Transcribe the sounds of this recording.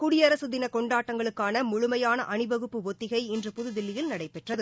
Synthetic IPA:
kʊɽɪjɐɾɐsɯðɪnɐkɔɳɖaːʈːɐŋɡɐɭɯkːaːnɐmʊɻʊmɐjaːnɐʔɐnɯbɐɣɯpːɯʋɔt̪ːɪɣɐɪɛndrɯpʊðɯðɪlːɪjɪlnɐɽɐɪpɛʈrɐðɯ

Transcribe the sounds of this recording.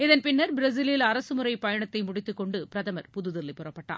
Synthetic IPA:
ɪðɐnpɪnːɐɾbɪɾɐs̬ɪlɪlɐɾɐsɯmɯɾɐɪpɐjɐɳɐt̪ːɐɪmʊɽɪt̪ːɯkːɔɳɖɯpɪɾɐðɐmɐɾpʊðɯðɪlːɐɪpːʊrɐpːɐʈːa̰ː

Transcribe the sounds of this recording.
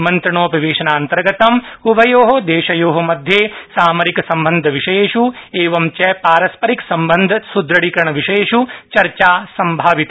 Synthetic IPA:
mɐnt̪ɾɐɳoːpɐʋeːʃɐnaːɐnt̪ɐɾɡɐt̪ɐmubʱɐjoːɦɐd̪eːʃɐjoːɦɐmɐd̪ʱjeːsaːmɐɾikɐsɐmbɐnd̪ʱɐʋiʂɐjeːʃueːʋɐmt͡ʃɛpaːɾɐspɐɾiksɐmbɐnd̪ʱɐsud̪ɾɐɽikɾɐɳɐʋiʃeeʃut͡ʃɐɾt͡ʃaːsɐmbʱaːʋit̪

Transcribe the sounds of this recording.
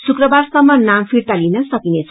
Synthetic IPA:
sukrʌbarsʌmːʌnampʰirt̪alinʌsʌkinet͡sʰ

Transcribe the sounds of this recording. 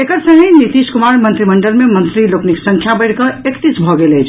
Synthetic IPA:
ekəɾsə̃ɦẽnit̪iskumaɾmənt̪ɾiməɳɖəlmemənt̪ɾilokniksə̃ŋkʰjabəɪɽkʌekt̪it͡ʃbʱɔɡelet͡ʃʰ

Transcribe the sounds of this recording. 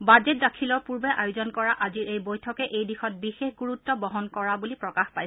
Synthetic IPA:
bazɛt̚dakʰilɔpuɹbɛʔajuzɔnkɔɹaʔaziɹʔejbojtʰɔkɛʔejdixɔt̚bixexɡuɹutːɔbɔɦɔnkɔɹabulipɹɔkaxpaj

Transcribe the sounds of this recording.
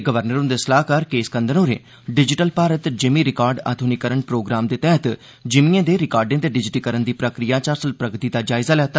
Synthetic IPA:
ɡəʋəɾnəɾõnd̪esəlaːɦkəɾkeːskə̃nd̪ənoːɾḛ̃ː | ɖɪd͡ʒɪʈəlpaːɾət̪d͡ʒɪmiːɾɪkaːɾɖa̰ːd̪ʱʊnikəɾəɳpɾoːɡɾaːmd̪eːt̪ɛːɦət̪ | d͡ʒɪmiãːd̪eːɾɪkaːɾɖẽːd̪eːɖɪd͡ʒʈiːkəɾənd̪iːpɾəkɾijaːt͡ʃaːɾsəlpɾəɡt̪iːd̪aːd͡ʒaːɪzaːlɛːt̪a

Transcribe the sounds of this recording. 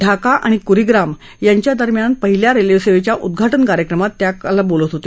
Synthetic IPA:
ɖʱakaʔaɽ̃ikuɾiɡɾam | jaɲt͡ɕjad̪əɾmjanpəɦiljaɾeljeʋseʋet͡ɕjaʔud̪ɡʱaʈənkaɾjəkɾəmat̪ːjalabolət̪ɦot̪e

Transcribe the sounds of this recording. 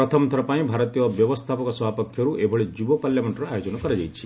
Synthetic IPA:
pɾɔt̪ʰɔmt̪ʰɔɾɔpaĩbʱaɾɔt̪ijɔbjɔʋɔst̪ʰapɔkɔsbapɔkʰjɔɾuʔebʱɔɭed͡ʒubɔpaljameɳʈɔɾajɔd͡ʒɔnɔkɔɾed͡ʒajt͡ʃʰi̥

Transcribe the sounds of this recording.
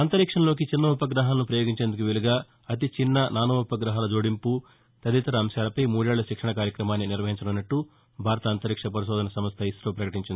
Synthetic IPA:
ɐnt̪ɐɾikʂɐnɐlo̞ːk̬it͡ʃinːɐupɐɡɾɐɦaːlɐnupɾɐjoːɡiɲt͡ʃe̞ːnd̪ukuʋeliɡaː | ɐt̪̬it͡ʃinːɐnaːnuupɐɡɾɐɦaːlɐd͡ʒoːɽimpu | t̪ɐd̪it̪ɐɾɐːmsjaːlɐpɐjmuːɽeːɭːɐʃikʂɐɳɐkaːɾjɐkɾɐmaːnːiniɾʋɐɦiɲt͡ʃɐɽɐnːɐʈːu | bʱaːɾɐt̪ɐːnt̪ɐɾikʂɐpɐɾiʃɔːd̪ʱɐnɐsɐmɐst̪ʰɐisloːpɾɐkɐʈiɲt͡ʃind̪i

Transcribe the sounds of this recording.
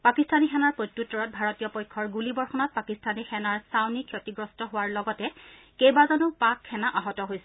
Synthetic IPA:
pakistanixɛnaɹpɹojtːutːɔɹɔt̚bʱaɹɔtijɔpɔjkʰːɔɹɡulibɔɹxɔnɔt̚pakistʰanixʰɛnaɹsawnikʰjotiɡɹɔstɔɦowaɹlɔɡɔtɛ | kejbazɔnʊpakʰːɛnaʔaɦɔtɔɦojsɛ

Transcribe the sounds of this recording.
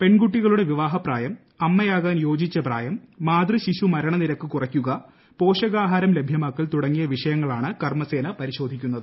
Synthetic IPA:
pe̞ɳɡuʈːiɣɐɭuɽe̞ʋiʋaːɦɐpraːjɐm | ɐmːɐjaːɣaːnjo̞ːd͡ʑit͡ɕːɐpra̰ːjɐmːaːd̪riɕiɕumɐɾɐɳɐniɾɐkːɨkurɐkʲːuɣɐ | po̞ːʂɐɣaːɦaːɾɐmle̞bʱjɐmaːkːɐlt̪uɽɐŋːijɐʋiʂɐjɐŋːɐɭaːɳɨkɐrmɐse̞ːnɐpɐɾiɕo̞ːd̪ʱikʲːunːɐðɨ

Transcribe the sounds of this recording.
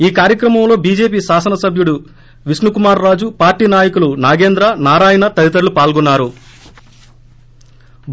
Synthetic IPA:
iːkaːɾjɐkɾɐmɐmlo̞ːbiːd͡ʒe̞ːp̬iːʃaːsɐnɐsɐbʱjuɽu | ʋisnukumaːɾːaːd͡ʒupaːɾʈiːnaːjɐkulunaːɡe̞ːnd̪ɾɐnaːɾaːjɐnɐt̪ɐɾit̪̬ɐɾulupaːlɡunːaːɾu

